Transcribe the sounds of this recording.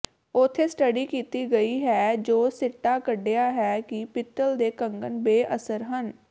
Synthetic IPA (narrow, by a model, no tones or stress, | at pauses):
ʊt̪ʰːeːsʈəɖiːkiːt̪iːɡəiːɦɛːd͡ʒoːsɪʈːaːkəɖejaːɦɛːkɪpɪt̪ːəld̪eːkəŋɡənbeːʔəsəɾɦən